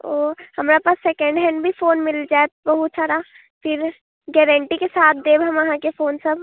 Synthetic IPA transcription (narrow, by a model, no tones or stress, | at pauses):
oːhɐmɾapaːsːɛkə̃ɳɖɦɛ̃ːɳɖbʱifoːnmɪld͡ʒaːet̪obɐɦʊt̪saːɾa | fʰɪɾ | ɡɛːɾɛ̃ɳʈikesaːt̪̚ʰd̪eːbɦɐmɐɦãkefoːnsɐb